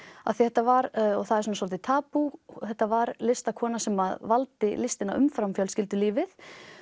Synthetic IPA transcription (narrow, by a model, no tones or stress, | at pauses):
a̰ðθiθɛht̪ːavaɾɔɣθaðɛɾsɔnːsɔlt̪ɪt̪ʰaːpuθɛt̪ːavaɾlɪst̪akʰɔːnasɛmaðvalt̪ɪlɪst̪ɪnaʔʏ̰mfɾamfjœwlscɪlt̪ɪliːvɪθ